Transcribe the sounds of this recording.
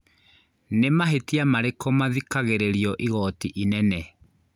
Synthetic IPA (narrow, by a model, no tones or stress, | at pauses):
nemaɦetiamaɾekɔmaðikaɣeɾeɾiɔʔiɣɔtiʔinɛnɛ